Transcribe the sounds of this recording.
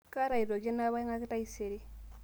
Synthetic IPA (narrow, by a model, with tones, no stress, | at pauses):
ka˦ɾa˨i˨ɾo˨d͡ʒe˦na˦βa˦i˦ŋa˦ki˦ta˦i˦se˨ɾi˦